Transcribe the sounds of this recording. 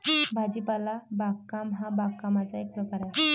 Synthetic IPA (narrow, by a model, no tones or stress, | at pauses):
bʱad͡ʑipalabaɡkːamɦabaɡkːamat͡saek̚pɾəkaɾa